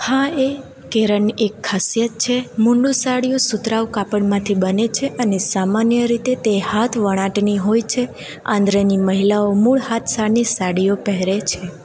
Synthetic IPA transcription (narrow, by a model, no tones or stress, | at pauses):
hãe | keɾəɳekʰːasjət̪̚t͡ʃʰemuɳɖusaɽijosut̪ɾaʋkapəɳmãt̪ʰibənet͡ʃʰeʔənesamanjəɾit̪et̪ehat̪ʰʋəɽ̃ãʈniɦojt͡ʃʰe | ã̰nd̪ɾeniməɦilaomuɭhat̪ʰsanisaɽijopəɦɾet͡ʃʰe